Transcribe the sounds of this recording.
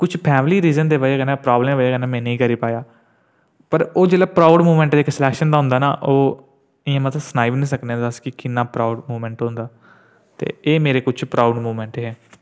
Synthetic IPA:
kʊt͡ʃʰpʰɛːmliːɾiːzənd̪eːʋəeːkənãːpɾaːbləmʋeːkənɛ̃ːmɛ̃ːnĩːkəɾiːpaːjaː | pəɾoːd͡ʒeːlaːpɾaːʊɖmuːmɛ̃ɳʈːeɪksɪlɛːkʃənd̪aːɦʊ̃nd̪aːnaːʔoː | ɪjãːmət̪snaːɪʋnĩːsəkneɛ̃d̪əskɪkɪnːaːpɾaʊɖmuːmɛ̃ːɳʈɦõnd̪aː | t̪ḛːeːmeːɾeːkʊt͡ʃʰpɾaːʊɖmuːmɛ̃ːɳʈɦɛː

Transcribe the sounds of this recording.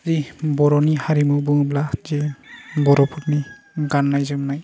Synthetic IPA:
zibɔɾɔnihaɾimɔbɯŋblazibɔɾɔpʰuɾni | ɡanːajzɯmnaj

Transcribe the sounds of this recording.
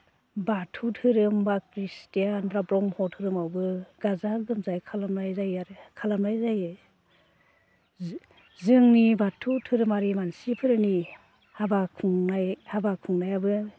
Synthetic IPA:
batʰutʰɯɾɯmbakɾistijanpɾabɾɔŋhɔtʰɯɾɯmawbɯɡ̥azaɡɯmzajkʰalamlajzajaɾɯkʰalamajzajɯ | zɯŋnibatʰutʰɯɾɯmaɾimansipʰɯɾɯni | habakʰuŋnajhabakʰuŋnajabɯ

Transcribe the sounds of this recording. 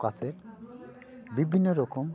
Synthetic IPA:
kase | bibʱinːɔɾɔkɔm

